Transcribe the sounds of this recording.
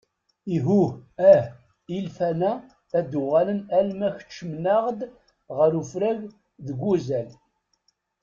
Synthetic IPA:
iɦuæh | ilfænæː | d̪ʊʁælənælmæçə̥t͡ʃːəmnaʁd̪ | ʁəɾufɾæʝ | ðəɡʷːuzæl

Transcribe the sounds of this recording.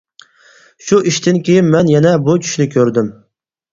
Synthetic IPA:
ʃuʔiʃt̪ʰɪnkʲʰejinmɛnjɛnɛbut͡ʃʰy̥ʃnɪkʲʰøɾd̪ɪm

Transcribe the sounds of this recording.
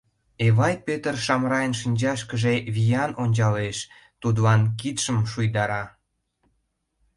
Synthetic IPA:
eβɑjpet̪ərʃɑmɾɑjənʃinʲd͡ʑɑʃkəʒeβijɑnonʲt͡ɕɑleʃ | t̪ud̪lɑnk̬it̪ʃəmʃujd̪ɑɾɑ

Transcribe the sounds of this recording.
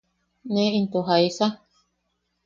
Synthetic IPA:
nẽint̪oɦaisa

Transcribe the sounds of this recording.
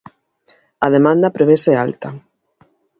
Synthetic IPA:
ɐðemãnd̪ɐpɾeβesɛa̰lt̪ɐ

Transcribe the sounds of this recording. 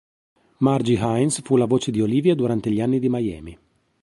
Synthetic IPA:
mard͡ʒiɦajnsfulavoːt͡ʃed̪ioliːvjad̪uɾant̪eʎianːid̪imajɛ̰ːmi

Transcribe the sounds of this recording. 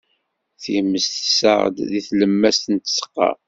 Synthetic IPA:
θimːəsθəsə̰ʁ̰d̪ðiθləmːæst̪ənt̪ə̥sə̥qːɑ̰

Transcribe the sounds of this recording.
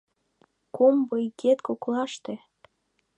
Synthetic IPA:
kombɤiket̪koklɑʃt̪e

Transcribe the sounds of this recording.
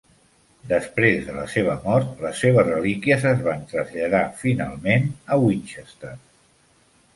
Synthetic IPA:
d̪əspɾezðələ̰seβ̞əmɔɾt̪ləsːeβ̞əzrəlikiəzəzβant̪ɾəzʎəðafina̰lˠmenəwinʲt͡ʃəst̪ər

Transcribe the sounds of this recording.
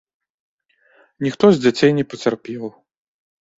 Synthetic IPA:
nʲixt̪ɔzʲd͡zʲat͡sʲejnʲɛpɐt͡sʲarpʲɛw

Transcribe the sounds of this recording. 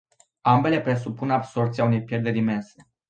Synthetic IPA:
ambe̞le̞pɾe̞supunabso̞rt̪siaune̞jpje̞rd̪eɾime̞nse̞̥

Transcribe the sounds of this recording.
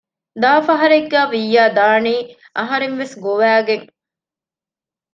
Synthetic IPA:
d̪aːfɐɦɐɾeɡːæːʋijːaːd̪aːniː | ʔɐɦɐɾeŋʋesɡoʋæːɡeŋ

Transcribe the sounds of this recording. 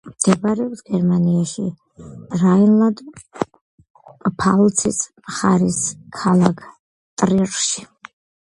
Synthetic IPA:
md̪̥ʰɛbaɾɛɔpsɡ̥ɛɾmaniaʃi | rajnlad̪ | pʰalˠt͡sʰisʰmχaɾiskʰalakʰ | t̪ʼrirʃi̥

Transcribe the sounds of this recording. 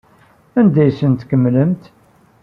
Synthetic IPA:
ænd̪æjsənt̪kəmːləmt̪

